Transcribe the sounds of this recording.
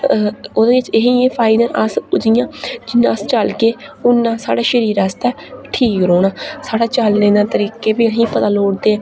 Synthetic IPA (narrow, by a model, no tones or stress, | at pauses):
oːd̪eːɪt͡ʃeɦiːeːpʰaːɪd̪əɾəsʊd͡ʒɪjãːd͡ʒɪnːãːəst͡ʃəlkeːʊnːãːsa̰ːɽaːʃəɾiːɾast̪ɛːʈʰiːkɾoːɽaːsaːɽaːt͡ʃəlnẽːd̪aːt̪əɾiːkːeːbeːɽɦĩːpət̪aːloːɽd̪eːɛ̃ː